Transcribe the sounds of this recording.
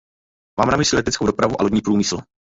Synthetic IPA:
maːmnamɪslilɛt̪ɛt͡skowdo̞pɾavuʔa̰loɟɲiːpɾuːmɪsl̩

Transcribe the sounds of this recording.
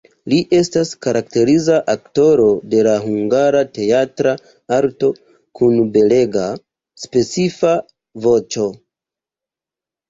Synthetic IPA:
liʔe̞staskaɾakte̞ɾizaʔakto̞ɾo̞de̞laɦuŋɡaɾate̞atɾa | aɾto̞ | kunbe̞le̞ɡa | spe̞t͡sifa | vo̞t͡ʃo̞

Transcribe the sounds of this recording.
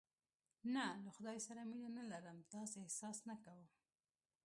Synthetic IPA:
nalaxʊd̪ɑjsaɾaminanalaɾəmt̪ɑseehsɑsnakawə

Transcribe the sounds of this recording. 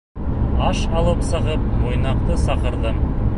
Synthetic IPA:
ɑʃɑlˠəpsɤ̆ʁəp̚mo̞jnɑqt̪əsɑqə̆ɾd̪ə

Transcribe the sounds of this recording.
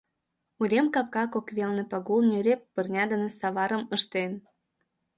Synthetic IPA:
uɾʲemkɑp̚kɑkokβʲelnepɑɣulnʲyɾʲepːərnʲɑd̪ə̆nĕsɑβɑɾəməʃt̪en

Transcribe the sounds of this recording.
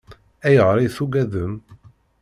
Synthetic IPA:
æjəʁɾˤiθuɡæðəm

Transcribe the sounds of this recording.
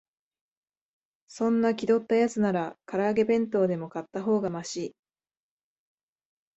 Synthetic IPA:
sõ̞nːakʲid̪o̞t̪ːajat͡sɨnaɾakaɾaːɡe̞bẽ̞nt̪o̞ːd̪e̞mo̞kat̪ːaɦo̞ːɡamaɕiː

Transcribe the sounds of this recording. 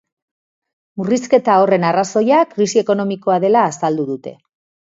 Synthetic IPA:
muriske̞t̪ao̞re̞naraso̞jakɾisie̞ko̞no̞miko̞aðe̞laːsald̪uðut̪e̞

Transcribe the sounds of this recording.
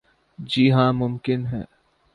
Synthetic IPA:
d͡ʒiːɦãːmʊmkɪnɦɛ̰ː

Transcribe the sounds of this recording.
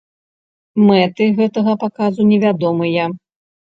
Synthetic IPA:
mɛt̪ɨɣɛt̪ɐɣɐpakazunʲɛvʲad̪ɔmɨjɐ

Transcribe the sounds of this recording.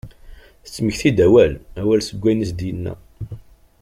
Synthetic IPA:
θət͡sːməçθid̪æwælæwælsəɡʷːæjnisd̪jənːæ̰

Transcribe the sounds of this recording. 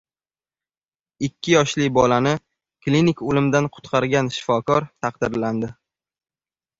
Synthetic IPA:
ɪkʲʰːɪjɒʃlɪbɒlanɪ | klinɪkolɪmd̪anqʰʊ̥t̪qʰɑɾɡʲanʃɪ̥fɒkʰɒɾt̪ʰɑqd̪ɪɾland̪ɪ

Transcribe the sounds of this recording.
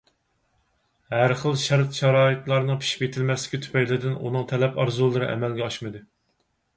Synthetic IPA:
hæɾχəlˠʃɑɾt̪ʃɑɾɑːit̪lˠɑɾnɨŋpʰi̥ʃi̥pjet̪ʰɪlmɛslɪ̥kʲit̪ʰy̥pɛjlɪd̪ɪnṵnɨŋt̪ʰɛlɛpɑɾzulˠːɨɾɨ̰ʔɛ̰mɛlɡʲɛɑʃmɨd̪ɨ

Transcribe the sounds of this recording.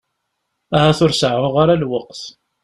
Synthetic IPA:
æhæθʊɾsəʕʊʁaɾalwəqθ

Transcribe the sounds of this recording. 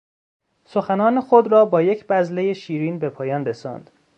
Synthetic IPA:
so̞xænɒːnexod̪rɒːbɒːje̞cʰb̥æzle̞je̞ʃiːɾiːnbepʰɒːjɒːnresɒ̰ːnd̪̥

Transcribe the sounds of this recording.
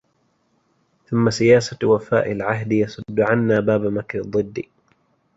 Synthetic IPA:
θʊmːasɪjaːsawafa̰ːʔɪlʕaɦd̪jɑsˤʊd̪ːʊʕanːaːbaːbamakɾɪd̪ˤːɨd̪ːi

